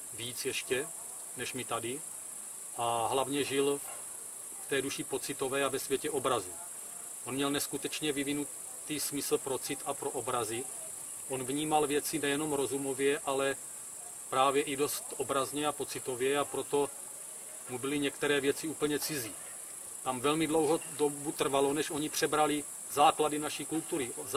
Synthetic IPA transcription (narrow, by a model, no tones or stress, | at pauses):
viːt͡sjɛʃcɛ | nɛʃmɪt̪adɪ | ʔaɦlavɲɛʒɪl | ft̪ɛːduʃɪpo̞t͡sɪt̪o̞vɛːavɛsvjɛcɛʔobɾazu | ʔonmɲɛlnɛskut̪ɛt͡ʃɲɛvɪvɪnut | t̪iːsmɪsl̩pɾo̞t͡sɪt̪apɾoʔobɾazɪ | ʔo̞nvɲiːmalvjɛt͡sɪnɛjɛno̞mɾo̞zumo̞vjɛʔalɛ | pɾaːvjɛʔido̞st̪ʔobɾazɲɛapo̞t͡sɪt̪o̞vjɛapɾo̞t̪o̞ | mubɪlɪɲɛkt̪ɛɾɛːvjɛt͡sɪuːpl̩ɲɛt͡sɪziː | t̪amvɛlmɪdlo̞wɦodobut̪r̩valo̞nɛʃʔo̞ɲipr̝̥ɛbɾalɪ | zaːkladɪnaʃiːkult̪uɾɪz